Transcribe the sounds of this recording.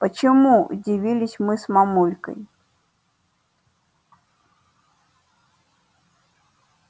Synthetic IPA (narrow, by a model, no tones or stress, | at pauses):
pət͡ɕɪmuṵdʲɪvʲilʲɪsʲmɨsmamulʲkə̰j